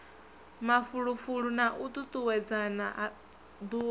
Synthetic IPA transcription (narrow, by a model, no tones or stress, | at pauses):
mafuɺufuɺunaʔut̪ut̪ʼuwɛd͡zanaʔa | d̪uː